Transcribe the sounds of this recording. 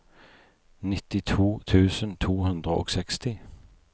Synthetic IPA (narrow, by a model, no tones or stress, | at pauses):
nɪt̪ɪt̪ʰuːt̪ʰʉːsənt̪ʰuːhʉnd̪ʁəʔo̰ːɡsɛkst̪ɪ